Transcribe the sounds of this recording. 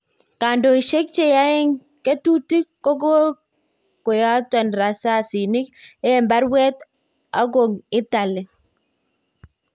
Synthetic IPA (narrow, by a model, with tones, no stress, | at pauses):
ka˨ndɔ˨i˨ʃe˦k̚t͡ʃe˨ja˦ɪ˦ŋ | ke˦tu˦ti˦ko˦ɡo˦ | kʊ˨ja˦tɔ˨nɾa˨sa˦˨si˨ni˦ke˦˨mba˦ɾwɛ˦t̪ | a˦ɡo˨ŋɪ˦t̪a˨lɪ˨